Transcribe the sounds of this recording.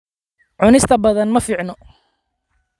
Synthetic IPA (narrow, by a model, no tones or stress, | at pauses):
ʕʊnɪst̪ʰɐbɐðɐnmɐfiːʕnɔ